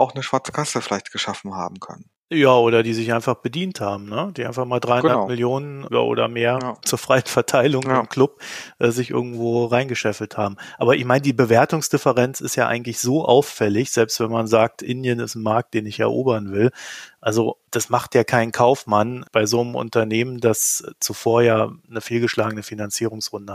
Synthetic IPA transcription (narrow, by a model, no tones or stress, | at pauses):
ʔaʊxnəʃv̥aɐt͡sə̥kʰasəfɪlaɪçtɡ̥əʃafn̩ha̰ːbm̩kʰœ̰nən | jaːʔoːɾɐdiːzɪçʔaɪnfaχb̥ədiːnthaːbm̩nəd̥iːʔa̰ɪnfaχmaːldʁaɪhʊnamɪljoːnəna̰ʔo̰ːdɐ̰meːɐt͡suːɐfʁ̥aɪənfɛɐtʰaɪlʊŋɪmkʰlʊp̚ʔɛːzɪçʔɪ̰ɐɡŋ̩tv̥oːʁaɪnɡəʃɛfl̩thaːbm̩ʔaːbɐʔɪçmaɪnədiːbəveːɐtʊŋsd̥ɪfəʁɛnt͡sɪstjaːʔa̰ɪɡŋ̩tlɪçz̥oːʔa̰ʊfːɛlɪçz̥ɛlpstv̥ɛnmanzaːk̚tʰʔɪndjənɪstn̩maɐk̚t̚d̥eːnɪçɛ̰ɐʔo̰ːbɐnvɪlʔalzod̥asmaχtjaːkʰaɪnkʰaʊfmanb̥aɪzoːnəmʔʊ̰ntɐneːməndast͡sufoːɐjaːnəfeːlɡəʃlaːɡənəfinant͡siːʁʊŋsʁʊndə